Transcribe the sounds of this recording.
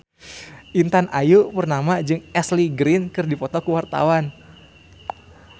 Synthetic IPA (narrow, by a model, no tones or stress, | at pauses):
ʔint̪anajupərnamad͡ʒɨŋɛsliɡɾɪnkɨrdipɔt̪ɔkuwart̪a̰wan